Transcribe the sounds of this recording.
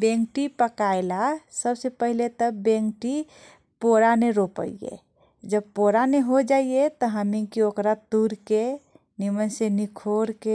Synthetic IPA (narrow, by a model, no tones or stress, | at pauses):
bẽŋkʈipəkaelasəbsepəɦilet̪əbẽŋkʈi | poɾaneɾopə̰iḛ | d͡ʒəbpoɾaneɦod͡ʒaijet̪ɔɦəmĩkiokɾat̪uɾke | nimənsenikʰoɾke